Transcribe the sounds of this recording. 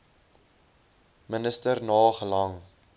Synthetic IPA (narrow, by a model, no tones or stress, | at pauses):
mənəstərnɑːχəlɐŋ